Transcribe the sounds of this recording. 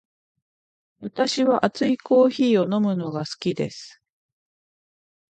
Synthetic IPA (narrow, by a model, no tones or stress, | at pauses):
βat̪aɕiβaʔat͡sɨiko̞ːçiːo̞no̞mɯ̟no̞ɡasɨ̥kʲid̪e̞̰sɨ̥